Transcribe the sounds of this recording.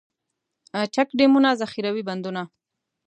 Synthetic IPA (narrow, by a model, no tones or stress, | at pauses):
at͡ʃakɖemunazaxiɾawiband̪una